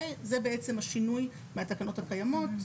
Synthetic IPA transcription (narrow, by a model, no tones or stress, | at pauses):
ezebeet͡se̞mhaʃinuj | meatakano̞thakajamo̞t